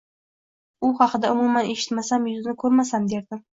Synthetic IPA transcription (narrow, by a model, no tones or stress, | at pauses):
ʊχɑqʰɨd̪aʊmumaneʃɪ̥t̪masamjʊzɪnɪkʰɵɾmasamd̪eɾd̪ɪ